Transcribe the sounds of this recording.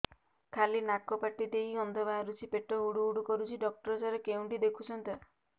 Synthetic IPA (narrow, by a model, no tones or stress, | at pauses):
kʰalinakɔpaʈid̪ejɔnd̪ɔbaɾut͡ʃʰipeʈɔɦuɽuːɽukɔɾut͡ʃʰiɖɔk̚ʈɔɾɔd͡ʒaɾekeũɳʈid̪ekʰut͡ʃʰɔnt̪e